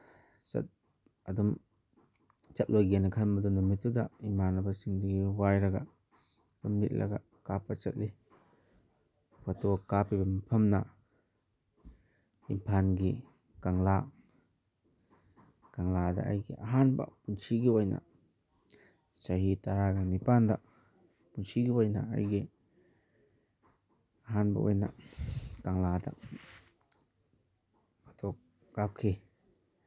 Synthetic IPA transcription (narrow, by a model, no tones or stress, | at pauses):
t͡ʃɐ̰t̚ | ɐdum | t͡ʃɐt̚lojɡenikʰamɐdɔnɔmitːudaimanabasiŋdiɡiwajɾɐɡa | dummit̚lʔɐ̰ɡa̰ | kapat͡ʃɐt̚li | watokapibɐmipʰɐmna | ḭmpʰanɡi | kaŋla | kaŋladɐ̰ːjɡiʔɐɦanbɐ̰punsiɡiojnɐ̰ | sɐɦitaɾaɡanipandɐ | punsiɡiojna̰a̰jɡi | aɦanbɐ̰o̰jnɐ̰kaŋladɐ̰ | bɐtʰok̚ː | ap̚kʰi